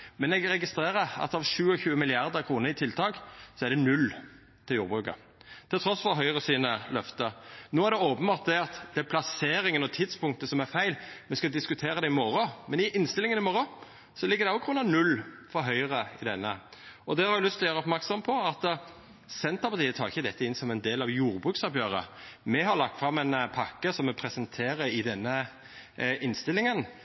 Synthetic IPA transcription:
mɛnɛɡɾɛɡɪst̪ɾeːʁəɾɑ̰t̪ɑʋʃʉːəçʉːəmɪlɪɑɾd̪əɾkʰɾuːnəɾɪt̪ʰɪlt̪ʰɑːɡsɔæɾd̪ɛnʉl | t̪ʰɪljuːɾbʁʉːkə̰ | t̪ʰɪlt̪ʰɾɔsfɔɾɦœʏʁəsiːnəlœft̪ənoːæɾd̪ɛoːpənbɑːt̪̚d̪ɛɑt̪d̪̥ɛpʰlɑseːɾɪŋənɔt̪ʰɪd̪spʰʊŋk̚t̪əsɔmæɾfæɪlmɛskɑd̪ɪskʉt̪ʰeːɾəd̪ɛɪmɔɾɔmɛnɪʔɪnst̪ɪlɪŋənɪmɔɾɑ | sɔlɪɡːəd̪ɛʊɡɾʉnɑʋnʉlː | fɔɾɦœʏəɾəɪd̪ɛnːə̰ɔd̪ɛhɑɾjɪlʏst̪lɔjæːɾəɔpmæʁksɔmpʰɔɑt̪ | sɛnt̪əɾpɑt̪iːət̪ʰɑːʁɪçːəd̪ɛt̪ːəɪnsɔmɛɪnd̪eːlɑʋjuːɾbʁʉːksɑbjøːɾə̰mɛɦɑɾlɑ̰k̚t̪fɾɑmɛɪnpʰɑkːəsɔmːɛpʰɾɛsənt̪ʰeːɾəɾɪd̪ɛnːə | ʔɪnst̪ɪlɪŋən

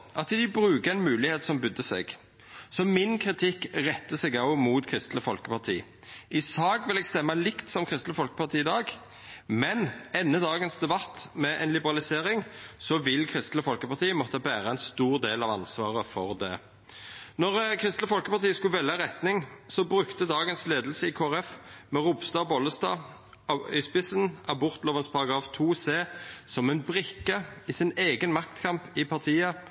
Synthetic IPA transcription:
ʔɑt̪d̪ɪbʁʉːkəɛnmʉːlɪheːt̪sɔmbʏd̪ːəsɛ̰ɡ | sɔmɪnkʰʁɪt̪ʰɪkːʁɛt̪ːəsɛɡɑʊmuːt̪kʰʁɪst̪ləfɔlkəpɑʁt̪ʰḭː | ʔɪsɑːɡʋɪlɛɡst̪ɛmːɑlɪkt̪sɔmkʰʁɪst̪ləfɔlkə̥pɑʁt̪ʰiːɪd̪ɑːɡ | mɛnɛnːəd̪ɑːɡənsd̪ɛbɑt̪ːmɛʔɛ̰nlɪbəʁɑlɪseːʁɪŋsɔʋɪlkʰʁɪst̪ləfɔlkəpɑʁt̪iːəmɔt̪ːəbæːʁəɛnst̪uːʁd̪eːlɑʋɑ̰nsʋɑːʁəfɔʁd̪ɛ | nɔʁkʰʁɪst̪ləfɔlkəpɑʁt̪iːəskʉlʋɛlːəʁɛt̪nɪŋsɔbʁʉkt̪əd̪ɑːɡənsleːd̪əlsəɪkʰoːæʁɛfmɛʁʊbst̪ɑːbɔləst̪ɑ̰ː | ɑɪspɪsənʔɑbʊʁt̪loːʋənspʰɑɾʁɑɡʁɑːft̪ʰuːseːsɔmɛnbʁɪkːəɪsɪneːɡənmɑkt̪kʰɑmpɪpʰɑʁt̪ʰiːə

